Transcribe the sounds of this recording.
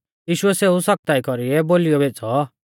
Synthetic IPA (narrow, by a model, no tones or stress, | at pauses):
jiːʃʊɛseːusɐk̚t̪aːikɔɾiɛboːlijɔbʱet͡sɔ